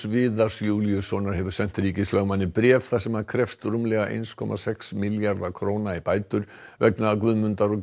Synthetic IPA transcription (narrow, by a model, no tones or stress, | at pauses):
vɪːðasjuːljʏsɔnaɾhɦɛvʏɾ̥sɛn̥t̪ɾiːcɪslœɣmanːɪpɾjɛːθθasɛmaðkʰɾɛft̪ɾumlɛɣaʔḛjnskʰɔ̰mʔa̰sɛksmɪljaɾðakʰɾoːwnaipaːjt̪ʏɾ̥vɛknaːkvʏðmʏnt̪aɾɔ